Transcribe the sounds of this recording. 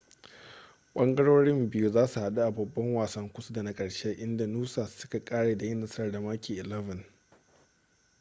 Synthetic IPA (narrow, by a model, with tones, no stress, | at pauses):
k͡pʷʼɐ˦ŋɡɐ˦ɽoː˦ɽɪ˦mbɪ˦ju˦zaː˦su˨ha˨ɗu˦ʔa˨bɐ˨bːɐ˦ŋwaː˨sɐ˦ŋkʷʊ˦su˦da˨na˦kʼɐ˨ɽʃe˦ʔɪ˦nda˨nuː˦saː˨sʊ˦ka˨kʼaː˦ɽeː˨da˨jɪ˦nːɐ˨sɐ˦rda˨ma˦kʲiː˨ʔɪ˨lɛ˦vɐ˨n